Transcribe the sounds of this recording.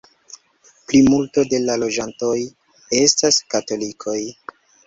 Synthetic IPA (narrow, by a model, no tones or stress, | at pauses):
plimulto̞de̞lalo̞d͡ʒanto̞j | e̞staskato̞likʰo̞j